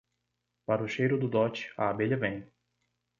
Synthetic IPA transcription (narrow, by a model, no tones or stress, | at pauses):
paɾʊʃejɾʊd̪ʊd̪ɔt͡ʃɪ̥a̰abelɐvẽj̃